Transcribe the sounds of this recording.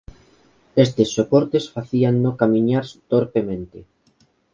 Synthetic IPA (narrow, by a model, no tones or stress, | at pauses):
est̪esːopoɾt̪esfaθianːokamĩɲaɾst̪oɾpemẽnt̪e